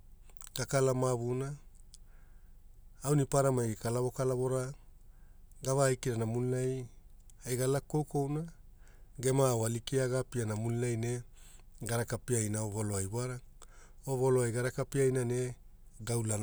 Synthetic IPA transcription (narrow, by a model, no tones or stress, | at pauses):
ɡ̥akalamaβuna | wnipaɾamajkalaβo̞kalaβoɾa | ɡavaːjkiɾanamunilaj | ajɡalako̞wko̞wna | ɡe̞mawalikiaɡapianamunilajne̞ | ɡaɾakapiajnaovoloajbaɾa | ovoloajɡaɾakapiajnane̞ | ɡawlana